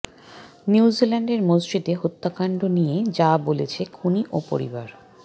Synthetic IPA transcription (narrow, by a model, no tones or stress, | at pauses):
niwzilaɳɖeɾmozd͡ʑit̪eɦot̪ːakaɳɖonijed͡ʑabolet͡ɕʰekʰuniʔopo̰ɾḭbaɾ